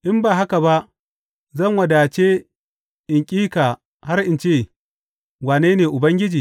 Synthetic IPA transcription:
ʔɪ˦mbaː˨ɦa˦ka˨ba˦ʔ | zɐ˦˨ŋwɐ˨daː˨t͡ʃeː˦ | ʔɪ˨ŋkʲʼiː˦kaː˨ | ha˦rʔɪ˨nt͡ʃeː˦˨ | waː˨neː˦neː˨ʔʊ˨bɐ˦ŋɡʲɪ˦d͡ʒiː˨

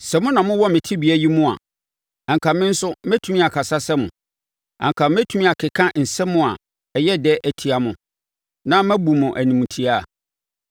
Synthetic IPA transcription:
sɛ˨mʊ̃˦nã˨mʊ̃˦wɔ˦mɪ̃˨tʰi˦bi˨æ˦ji˦mʊ̃˦a̰˨ | ã˨ŋ˨kʰa˨mɪ̃˦n̩˦sʊ˦mæ˦tʰu˦mĩ˦a˨kʰa˨sa˦sɛ˦mʊ̃˨ | ã̰˨ŋkʰã˨mː˦æ˦tʰu˨˦mĩ˦a˨kʰɪ˨kʰã˦n̩˨sɛ̃˦mʊ̃˦˨a̰˨ | ɛ˨jɛ˦dɛ˦ʔæ˨tʰi˨˦a˨mʊ̃˨ | nã˦mæ̃˦bu˨mʊ̃˨ʔæ˨nĩ˨m̃˨tʰi˨˦a̰˦˨

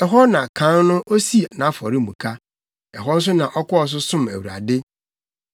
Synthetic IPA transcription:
ɛ˨ɦɔ˦nã˨kʰã˨˦nnʊ̃˦ʔo˦si˦˨nã˨˦fɔ˨ɾɪ˦˨mṵ̃˨kʰa˦ | ɛ̰˨ɦɔ˦n̩˦s̬ʊ˦nã˨ʔɔ˦kɔ˦ɔ˨s̬ʊ˦sʊ̃˦˨mæ̰˨wu˨ɾa̰˨dɪ˦

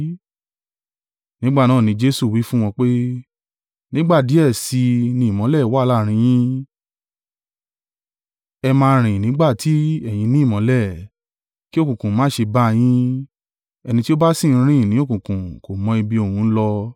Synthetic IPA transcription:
nĩ˦ɡ͡ba˦˨nãː˦˨nĩ˨˦d͡ʒe˦su˦˨wi˨˦fũ˦w̃ɔ̃˧k͡pe˦ | nĩ˦ɡ͡ba˦˨di˨˦ɛ˦˨si˧nĩ˧˦i˨mɔ̃˨˦lɛ˦˨˦wa˦˧la˦˨ɾ̃ĩ˧˦j̃ĩ˦ | ɛ˧mãː˧ɾ̃ĩ˨nĩ˨˦ɡ͡ba˦˨tʰi˨˦ɛ˦˨j̃ĩ˧nĩ˦˨mɔ̃˨˦lɛ˦˨ | ki˦o˦˨kũ˨kũ˨mãː˨˦ʃe˧ba˦˧j̃ĩ˦ | ɛ˧nĩ˧ti˦o˦ba˦sĩ˦˨˧ɾ̃ĩ˦˨nĩ˦o˦˨kũ˨kũ˨ko˨mɔ̃˧i˧bi˧o˨hũ˨˧˦lɔ˧

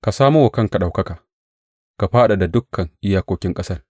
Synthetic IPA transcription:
ka˨saː˦mu˦wɐ˨kɐ˦ŋka˨ɗa˨wkɐ˦kaː˨ | ka˨ɸaː˦ɗa˨da˨dʊ˦kʰːɐ˨ŋʔɪ˦jaː˦kʷoː˦kʲɪ˦ŋkʼɐ˦sɐ˦r

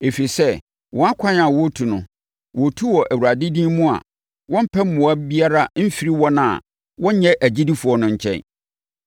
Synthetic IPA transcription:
e˨fi˨sɛ˦ | wʔɔ̃˨˦a˦kʷʰã˦na˨wɔ˦tʰu˨nʊ̃˨ | wɔ˨tʰu˦wɔ˨ʔæ˨wu˨ɾa˨dɪ˦dĩː˦mũ˦a̰˨ | wɔ̃˦m̩˦pʰɛ˦m̩ː˦ʊ̃˨a˦bi˦a˦ɾa˦m̩˦fi˨ɾi˦wɔ˦nã˨ | wɔ̃˦ɲ˦ɲɛ̃˦ʔæ˨d͡ʑi˦di˦fu˨ɔ˦nʊ̃˦˨ɲ̩˨t͡ɕʰɛ̰̃˦n

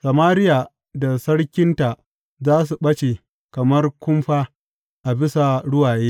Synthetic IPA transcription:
sɐ˨maː˦ɾɪ˦ja˨ | da˨sɐ˦ɽkʲɪ˦nta˨ʔ | zaː˦s̬u˨ɓɐ˦t͡ʃe˨ | kɐ˨mɐ˦rkʷʊ˦mɸaː˦ | ʔa˨bɪ˦sa˨ɽʊ˦waː˨jeː˦

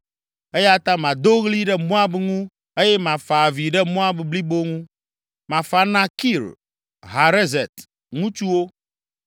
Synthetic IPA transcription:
e˦ja˦t̪ã˦mã˨d̪o˦ɣli˦ɖɛ˦mɔ̃˦a˦bŋũ˦ | e˦jɛ˦mã˨fa˨vi˨ɖɛ˦mɔ̃˦a˦bbli˦bo˦ŋũ˦ | mã˨fa˨nã˦ki˦˨l | ɦa˨ɾe˦ze˨t̪ | ŋũ˦t͡ʃu˦wo˦

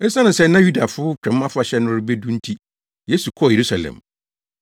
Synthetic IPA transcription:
ɛ˦sã˦nʊ̃˨sɛ˦nːã˦ju˦da˨fʊ˦ʊ˦t͡ɕᶣɛ̃˨˦mː˦ã˦fʊ˦a˨˦ɕɛ˦nʊ̃˦ɾɪ˦be˦dũ˦n̩˦tʰi˦ | je˦su˨kʰɔ˦˨je˨ɾu˦sa˨lɛ̰̃˨m

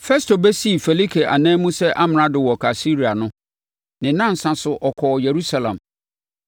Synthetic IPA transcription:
fɛ˦sto˨bɛ˦si˦˨fe˨li˦kʰe˨ʔa̰˨nɛ̃ː˦mũ˦sɛ˦ʔa˦m˨ɾã˦dɪ˨wɔ˨kʰa˨si˦ɾi˨a˨nʊ̃˦ | nɪ̃˨nã˦n̩˨sã˨sʊ˨ʔɔ˨kʰɔː˨je˨ɾu˦sa˨lã̰˨m

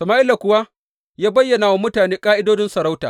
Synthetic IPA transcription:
sɐ˨maː˦ʔɪ˦la˨kʷʊ˦wa˦ | jaː˦bɐ˦jːɐ˨naː˨wa˦mʊ˦taː˨neː˦kʼaː˦ʔɪ˦doː˦dɪ˦nsɐ˨ɾa˦wtaː˨

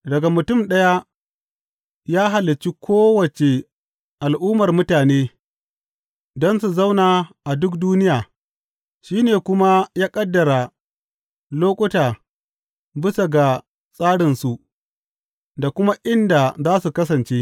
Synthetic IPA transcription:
dɐ˨ɡa˨mʊ˨tʊ˦˨mɗɐ˦ja˦ | jaː˦ɦa˨lːɪ˨t͡ʃi˦kʷʰoː˦wɐ˨t͡ʃe˨ | ʔa˨lʔuː˦mɐ˨rmʊ˦taː˨neː˦ | dɔ˦nsu˨za˦wnaː˨ʔa˨dʊ˦k̚duː˦nɪ˦jaː˨ | ʃiː˦neː˨kʷʊ˦ma˦jaː˦kʼɐ˦dːɐ˨ɾa˨ | loː˦kʷʼʊ˦taː˨ | bɪ˦sa˨ɡa˨ | sʼaː˦ɽɪ˨nsu˨ʔ | da˨kʷʊ˦ma˦ʔɪ˦nda˨zaː˦su˨kɐ˦sɐ˨nt͡ʃe˦

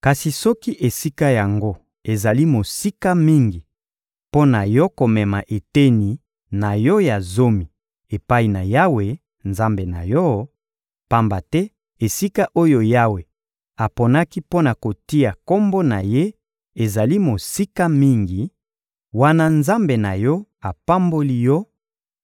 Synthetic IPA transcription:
ka˨si˨sɔ˦ki˦ʔe˨si˦ka˦ja˨ŋɡo˦ | e˨za˨li˦mo˨si˦ka˦mi˦ŋɡi˨ | po˦na˨jɔ˦ko˨mɛ˨ma˨ʔe˨te˦ni˨ | na˨jɔ˦ja˨zo˦mi˨ | e˨pa˦i˨na˨ja˦we˨ | nza˦mbe˨na̰˨jɔ˦ | pa˦mba˨tɛ˦ | e˨si˦ka˦ʔo˦jo˨ja˦we˨ | a˨po˨na˦ki˦po˦na˨ko˨ti˦a˨ko˦mbo˦na̰˨je˦ | e˨za˨li˦mo˨si˦ka˦mi˦ŋɡi˨ | wa˦na˦nza˦mbe˨na˨jɔ˦a˨pa˦mbo˦li˦jɔ˦

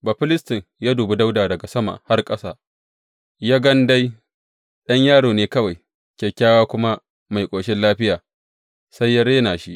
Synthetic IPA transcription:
ba˨ɸɪ˦lɪ˦stɪ˨ŋjaː˦duː˨bi˦da˦wdaː˨dɐ˨ɡa˨sɐ˦ma̰ː˨ha˦rkʼɐ˦saː˦ | jaː˦ɡɐ˦nda˦j | ɗɐ˦ɲjaː˦ɽoː˨neː˦kɐ˦wa˨j | kʲeː˨kʲaː˦waː˦kʷʊ˦ma˦ | ma˨jkʷʼoː˨ʃɪ˦nlaː˦ɸɪ˦jaː˨ | sa˦jːa˦ɽeː˦naː˨ʃi˦ʔ

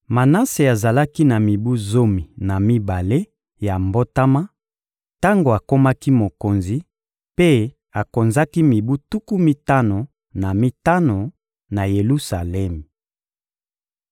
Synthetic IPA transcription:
ma˨na˦se˨a˨za˨la˦ki˦na˨mi˨bu˦zo˦mi˨na˨mi˦ba˨le˦ | ja˨mbo˦ta˦ma˦ | ta˦ŋɡo˨a˨ko˦ma˦ki˦mo˨ko˨nzi˨ | pe˦ | a˨ko˨nza˦ki˦mi˨bu˦tu˦ku˦mi˦ta˦no˨ | na˨mi˦ta˦no˨ | na˨je˨lu˦sa˨lɛ˦m˨

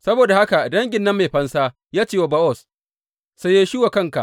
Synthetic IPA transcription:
sɐ˦boː˨da˨ha˦ka˨dɐ˦ŋɡʲɪ˨nːɐ˦mːe˨ɸɐ˦nsaː˦ | jaː˦t͡ʃeː˦˨wa˨ba˦ʔɔ˦˨s | sa˦jeː˦ʃi˦wa˨kɐ˦ŋka̰˨ʔ

